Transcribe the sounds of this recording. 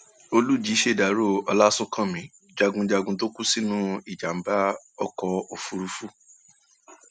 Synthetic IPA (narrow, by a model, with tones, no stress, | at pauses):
o˧lu˦˨d͡ʒi˨˦ʃe˦˨da˨ɾo˦˨ɔ˧la˦sũ˦kã˦˨mĩ˨˦ | d͡ʒa˧ɡũ˧d͡ʒa˧ɡũ˧to˦ku˦si˦nũ˦i˨d͡ʒa˨m̩˨˦ba˦ | ɔ˧kɔ˧o˨fu˧ɾu˧fu˦˨